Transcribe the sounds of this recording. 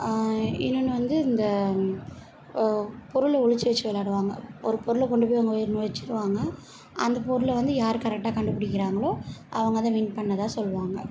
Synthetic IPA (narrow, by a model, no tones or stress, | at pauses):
ɪnːɯnːɯʋɐnd̪ɯɪnd̪ɐ | pɔɾɯɭʊɭɪt͡ʃːɯʋɛt͡ʃːɯʋɐlaːɽɯʋaːŋɡɐɔɾɯpɔɾɯɭkɔɳɖɯp̬ːoːjʋɐŋɡɐɔjɪɾnʊʋɐt͡ʃːɪ̥ɾɯʋaːŋɡɐ | ɐ̰nd̪ɐpɔɾɯɭʋɐnd̪ɯjaːɾɯkɐɾɛk̚ʈːaːkɐɳɖɯpːɪɽɪkːɪɾaːŋɡɐɭoːʔɐʋɐŋɡɐðãːʋiɳpɐɳːɐðaːsɔlːʋaːŋɡɐ